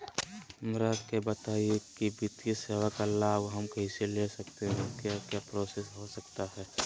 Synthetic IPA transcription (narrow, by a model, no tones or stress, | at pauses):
mɾaːt̪kebət̪aːiekibʱit̪eseːʋakalːaɡɦɐmkɐɦiseleːsɐkt̪eɦɛ̃kjaːkjaːpɾoːsesɦosɐkt̪aɦɛː